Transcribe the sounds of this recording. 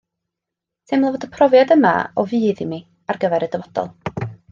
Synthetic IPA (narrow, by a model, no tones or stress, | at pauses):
tʰɪmlˠavodəpʰrɔvjadəma̰ɔvɨːðimi | arɡəvɛɾədəvɔd̥ɔ̰lˠ